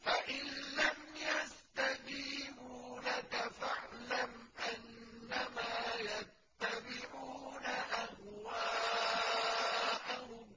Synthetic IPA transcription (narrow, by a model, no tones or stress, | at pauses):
faʔɪnlamjast̪ad͡ʒiːbuːlakafaʕlamʔanːamaːjat̪ːabɪʕuːnaʔahwaː | ʔah